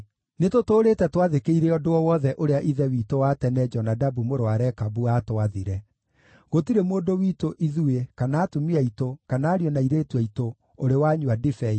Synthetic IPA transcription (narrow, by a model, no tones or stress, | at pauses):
netotoːɾetɛtwaðekeiɾeɔdoɔwɔðɛʔoɾeaʔiðɛwiːtowatɛnɛd͡ʒɔnadabumoɾoaɾɛkabuaːtoaðiɾɛ | ɣotiɾemoːndowiːtoʔiðuekanaːtumiaitokanaːɾjɔnaiɾetwɛito | oɾewaɲuadifɛi